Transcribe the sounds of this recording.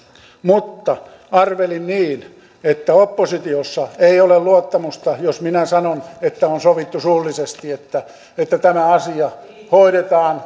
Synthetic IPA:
mut̪ːɑ | ɑrʋelinniːn | et̪ːæopːosit̪iosːɑeiolelluot̪ːɑmust̪ɑjosminæsɑnonet̪ːæonsoʋit̪ːusuːlːisest̪iet̪ːæ | et̪ːæt̪æmæɑsiɑ | hoiɾet̪ɑːn

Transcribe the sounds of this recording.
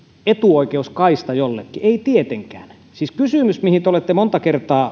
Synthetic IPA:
et̪uˑoikeuskɑist̪ɑjolːḛkːieit̪iet̪eŋkæ̰ːn | siːskysyˑmysmihint̪eolet̪ːemont̪ɑkert̪ɑː

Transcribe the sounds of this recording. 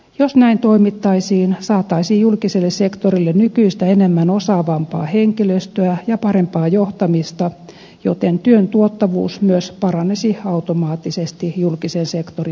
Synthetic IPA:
josnæint̪oimit̪ːɑisiːnsɑːt̪ːɑisijjulkiselːessekt̪orilːennykyist̪æenemːænosɑːʋɑmpɑːheŋkiløst̪øæjɑpɑrempɑːjoht̪ɑmist̪ɑ | jot̪ent̪yønt̪uot̪ːɑʋṵːsmyøspɑrɑnesiɑut̪omɑːt̪ːisest̪ijulkisensekt̪ori

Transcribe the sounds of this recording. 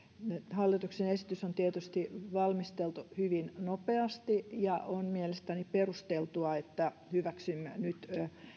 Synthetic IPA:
hɑlːit̪uksenesi̥t̪ysont̪iet̪yst̪iʋɑlmist̪elt̪uhyʋinnopeɑst̪ijɑʔonmielest̪æniperust̪elt̪uɑet̪ːæ | hyʋæksymːænyt̪

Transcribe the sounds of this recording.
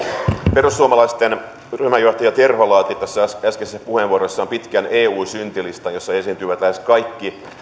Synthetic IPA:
perusːuomɑlɑist̪en | ryhmæjo̞ht̪ɑjɑt̪e̞rholɑːt̪it̪ːæsːææsæskesispuheʋʋuorosːɑompit̪kænʔeːuːsynt̪ilist̪ɑnjosːɑesiːnt̪yːʋæt̪læhe̞skɑjkːi

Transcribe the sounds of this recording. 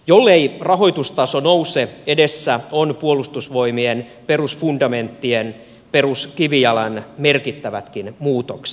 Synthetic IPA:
jolːeirɑɦo̞it̪ust̪ɑsonouseedesːæonpuolust̪usʋoimien | perusfundɑment̪ːien | peruskiʋijɑlɑnmerkit̪ːæʋæt̪kinmuːt̪okse̥

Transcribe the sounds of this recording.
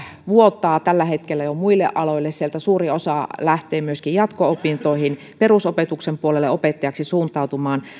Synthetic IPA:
ʋuot̪ːˑɑːt̪ælːæhet̪kelːæjomuilːḛʔʔɑloilːessielt̪æsuːriosɑlæht̪ˑeːmyøskijjɑt̪koopint̪oihin | perusopet̪uksempuolelːeopet̪ːɑjɑksisuːnt̪ˑɑˑut̪umɑːn

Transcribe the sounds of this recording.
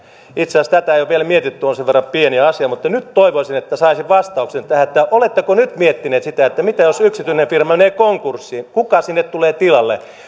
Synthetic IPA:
it̪seɑˑst̪æt̪æejoʋielmiet̪it̪ːyonseʋʋerːɑpieniɑsiɑmut̪ːɑnyt̪toiʋosinet̪ːæsɑisiʋʋɑst̪ɑuksent̪æhæet̪ːæʔolet̪ːekonyt̪miet̪ːineːt̪sit̪æet̪ːæmit̪æjosyksit̪yinefirmɑneːkoŋkursːikukɑsinːet̪t̪uleːt̪ilɑlːḛ

